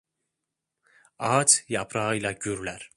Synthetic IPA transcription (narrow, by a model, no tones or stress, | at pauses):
ɑt͡ʃjɑpʰɾɑɯjlˠɑɟyɾlæɾ